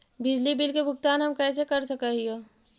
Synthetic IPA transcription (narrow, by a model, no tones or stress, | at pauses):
bɪd͡ʒlibɪlkebʱʊɡt̪aːnɦɐmkɛːs̬ekɐɾsɐkəɦioː